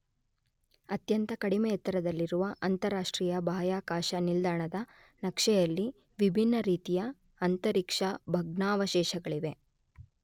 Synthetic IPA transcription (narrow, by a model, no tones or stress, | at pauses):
ɐt̪jɐnt̪ɐkɐɽimeɛt̪ːɐɾɐd̪ɐlːiɾuʋɐʔɐnt̪ɐɾaːʂʈɾiːjɐbʱaːjaːkaːʃɐnild̪aːɳɐd̪ɐ | nɐkʂɛjɐlːi | ʋibʱinːɐɾiːt̪ijɐː | nt̪ɐɾikʂɐbʱɐɡɳaːʋɐʃɛːʃɐɡɐɭiʋe̞